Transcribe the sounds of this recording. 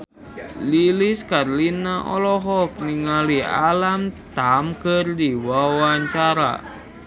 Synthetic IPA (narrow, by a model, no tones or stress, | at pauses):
liliskarlinaʔɔ̰lɔɦɔk̚niŋalia̰lamt̪amkɨrdiwawaɲt͡ʃaɾa̰